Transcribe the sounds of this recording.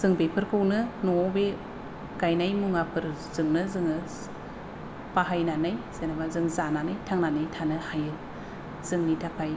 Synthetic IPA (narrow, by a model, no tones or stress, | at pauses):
z̥ɯŋbepʰɯɾkʰɯwnɯnɔbe | ɡajnajmuŋapʰɯɾ | zɯŋnɯzɯŋɯ | paɦajnanajzenabazɯŋzananajtʰaŋnanajtʰanɯhajɯ | z̥ɯŋnitʰapʰaj